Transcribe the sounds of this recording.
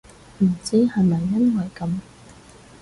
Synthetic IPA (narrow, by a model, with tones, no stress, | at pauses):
m̩˨˩t͡siː˥hɐ˨jmɐ˨jːɐ˥nwɐ˨jkɐ˧m